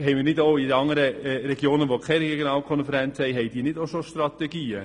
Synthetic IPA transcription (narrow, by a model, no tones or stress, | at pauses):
hɛɪminɪdoʊɪdəɑŋəɾəɾɛɡjoːnəʋokʰɛɾɛeɡjonɑːlkʰɔnfɛɾɛnt͡shɛɪɦɛɪd̥iːnɪdoʊʃoʃtrɑt̪ɛɡiːə